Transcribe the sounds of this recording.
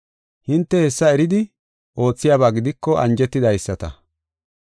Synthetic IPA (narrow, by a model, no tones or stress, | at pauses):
hɪnt̪ːɛhɛsːɐɛɾɪd̪ɪ | ʔo̞ːt͡sːɪjaːβaːɡɪd̪ɪkːɔʔɐ̰nd͡ʒɛt̪ːɪd̪ɐjsːɐt̪ɐ̰